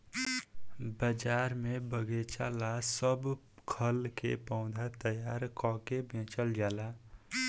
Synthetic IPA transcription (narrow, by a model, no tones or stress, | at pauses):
bəd͡ʒaːɾmẽbəɡet͡ʃa̰ːlasəb | kʰəlkḛpɔ̃ʊd̪ʱat̪əjaːɾkɔ̃ːkebʱẽːt͡ʃəld͡ʒaːlaː